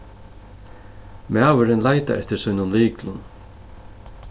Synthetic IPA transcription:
maːvʏɾɪnlaːjt̪a̰ʔɛht̪ɪɾsɔjnʊnliːklʊn

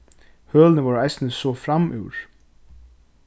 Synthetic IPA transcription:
hœːlnəvɔːɾajst̪nəsɔfɾamʔʉ̰wɾ̥

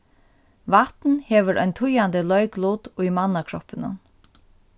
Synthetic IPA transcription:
ʋat̪nhɛːʋɪɾʔɔ̰jnt̪ʰʊjand̪ɪlœɥkluːt̪ʊjmanːakʰɾɔpɪnʊ̰n

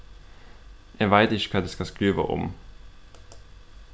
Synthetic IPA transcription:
ʔæʋæɪt̪ɪʃə̥kʰɑːd̪eːskɑskɾʉːʋə̰ʔʊ̰m

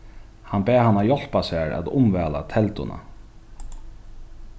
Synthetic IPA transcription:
hanbɛːhanːajɔl̥pasæːɹa̰t̪ʊmvɛːla̰t̪ʰɛlt̪ʊna̰

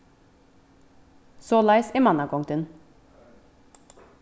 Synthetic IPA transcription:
soːlɑɪsemɑnɑkɔŋt̪ʉn

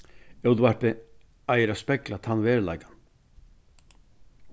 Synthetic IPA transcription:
ɛwt̪uvaɾt̪ɪ | ajɪɾaspɛklat̪ʰanːvɛːɾla̰jkan

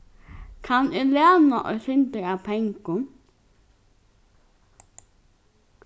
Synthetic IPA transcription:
kʰanɪleːnaʔɔ̰sɪnt̪əɾap̪ʰɛŋkʊn

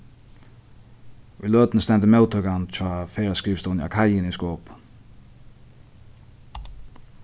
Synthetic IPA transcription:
uløːt̪nəst̪ɛnt̪əmɛwt̪ʰœkant͡ʃʰaːfeːɾaskiːʋst̪ɔna̰kʰajɪnɪnskoːp

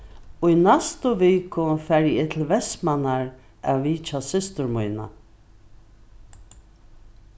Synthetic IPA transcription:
ʊjnast̪ʊʋiːkʊfæɾjɛːt̪ʰɪlʋɛsmanaɹ | ʔɛviːt͡ʃasɪst̪ʊɹmujna̰

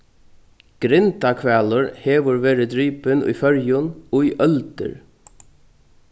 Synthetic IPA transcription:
ɡ̥ɾɪnt̪ɑkʰʋæːləɹheːʋəɹʋeːɾəd̪ɾyːpənḭːfœɹjʊnoːiːʔœld̪ə̰ɹ

